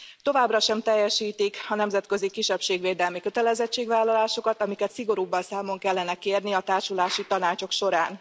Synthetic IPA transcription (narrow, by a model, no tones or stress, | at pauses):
t̪o̞vaːbrɒʃɛmt̪ɛjːɛʃiːt̪ikɒnɛmzɛt̪kø̞zikiʃːɛpʃeːɡʋeːd̪ɛlmikø̞t̪ɛlɛzɛt͡ʃːeːɡvaːlːɒlaːʃo̞kɒt̪ɒmikɛt̪siɡo̞ɾuːbːɒnsaːmo̞ŋkɛlːɛnɛkeːrniɒt̪aːrʃulaːʃit̪ɒnaːt͡ʃo̞kʃo̞ɾaːn